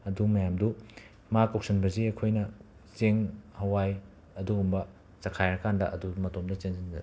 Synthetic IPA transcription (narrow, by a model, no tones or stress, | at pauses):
ɐdumɐjamdu | makawk̚sɐnbɐziɐkʰojnɐ | zeŋhɐwaj | ɐduumbɐ | t͡ʃɐkʰajɾɐkandɐʔɐ̰dumɐtomdɐt͡ʃenzind͡ʒɐɾ